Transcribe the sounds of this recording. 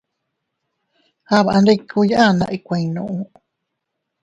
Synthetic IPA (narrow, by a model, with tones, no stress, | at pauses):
ha˦˨βaʔa˧nɾe˧kʰu˧jaʔa˦˧nã̰˧ʔi˧kʷẽ˧nõ̰˧ʔũ˧